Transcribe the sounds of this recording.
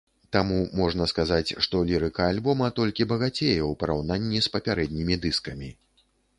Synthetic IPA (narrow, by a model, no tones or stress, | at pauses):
t̪amumɔʐnɐskazat͡sʲʂt̪ɔlʲiɾɨkɐalʲbɔmɐt̪ɔlʲkʲibɐɣat͡sʲejɛwpɐɾawn̪anʲːispɐpʲaɾɛd̪ʲnʲimʲid̪ɨskɐmʲi